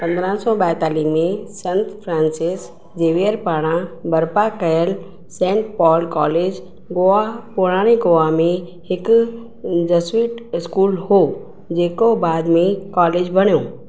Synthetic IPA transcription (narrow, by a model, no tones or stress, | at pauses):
pɐ̃nd̪əɾə̃sɔɓɛːɦt̪aːliːmẽsɐ̃nt̪ʰfʰɾãːnsɪs | d͡ʑeːʋeəɾpaːɽ̃ãbɐɾpakɐjəl | sɛ̃ːʈ̚pɔːlkɔːleːd͡ʑ | ɡoːapoɽ̃aːɽ̃eɡoːamẽ | hɪkʊ | d͡ʑɐswiːʈɪskuːlhoː | d͡ʑeːkobaːd̪mẽkɔːleːd͡ʑbʱɐɽ̃jõː